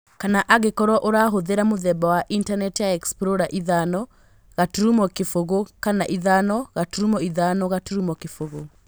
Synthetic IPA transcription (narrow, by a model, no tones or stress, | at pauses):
kanaʔaɣekɔɾwɔʔoɾaɦoðeɾamoðɛbawaʔintanɛtjaɛkspɾoɾaʔiðanɔ | ɣatuɾumɔkefoɣokanaʔiðanɔɣatuɾumɔiðanɔɣatuɾumɔkefoɣo